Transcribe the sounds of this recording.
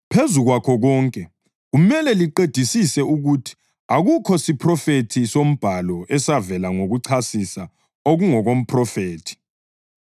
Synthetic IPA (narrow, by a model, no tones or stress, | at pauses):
pʰezuɣwakʰɔɣɔŋkʼɛ | ɣumɛlɛliǃed̥ʱisisɛuɣutʰi̥ | aɣukʰɔsipʰrɔfetʰisom̩b̥ʱalɔɛsavɛlaŋoɣuǀʰasisa | oɣuŋɔɣom̩pʰrɔfeːtʰi̥